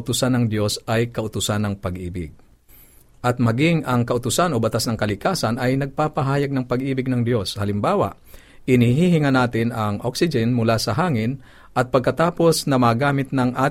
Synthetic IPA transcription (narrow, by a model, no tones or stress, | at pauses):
ʊt̪ʊsanːɐŋd̪jo̞sʔajkɐʔʊt̪ʊsanɐŋpɐɡʔiːbɪ̰ɡ̚ | ʔɐt̪̚mɐɡɪŋɐŋkɐʔʊt̪ʊsanobɐt̪asnɐŋkɐlɪkaːsɐnɐjnɐɡ̚paːpɐɦaːjɐɡ̚nɐŋpɐɡʔiːbɪɡ̚nɐŋd̪jo̞shɐlɪmbaːwa̰ | ɪniɦiːhɪŋɐnaːt̪ɪnɐŋʔoksɪd͡ʒɛnmʊlaːsɐɦaːŋɪn | ʔɐt̪̚pɐɡ̚kɐt̪aːpo̞snɐmaɡaːmɪt̪̚nɐŋʔaːt